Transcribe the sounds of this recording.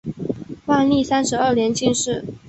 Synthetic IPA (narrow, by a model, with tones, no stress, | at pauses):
wa˥˧nli˥˩sa˥nʂɻ̩˧˥ə˥˩ljɛ˧˥nt͡ɕi˥˧ŋʂɻ̩˥˩